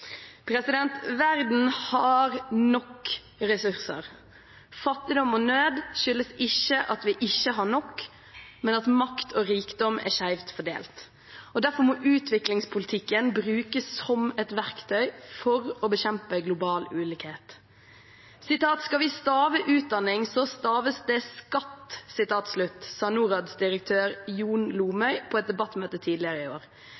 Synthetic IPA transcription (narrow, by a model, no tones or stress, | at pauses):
pʰɾɛsɪd̪ɛnt̪ʋæɾd̪n̩hɑɾnɔkː | ɾɛsʉɾsə̰ɾ | fɑt̪ːɪd̪ɔmɔnøːd̪ʃʏlːəsɪçːəʔɑt̪ʋɪʔɪçːəɦɑnɔkː | mɛnɑt̪mɑkt̪ʰoːɾiːkd̪ɔmʔæ̰ʃæɪʋt̪fɔɖḛːlt̪ | ɔd̪æɾfɔɾmɔʔʉːt̪ʋɪklɪŋspʰʊlɪt̪ʰɪkːənbɾʉːkəsːɔmɛt̪ʋæʁkt̪ʰœʏfɔɾɔbəɕɛmpəɡlʊbɑːlʉːlɪːkheːt̪ | sɪt̪ɑːt̪skɑʋɪst̪ɑːʋəʔʉːt̪̚d̪ɑnːɪŋsɔst̪ɑːʋəsd̪ɛskɑt̪ːsɪt̪ɑːt̪slʉt̪ːsɑːnuːɾɑd̪sd̪ɪɾək̚t̪ʰøːɾjuːnluːmœʏpʰɔɛt̪̚d̪ɛbɑt̪ːmøːt̪ət̪ʰiːd̪lɪəɾəɪoːɾ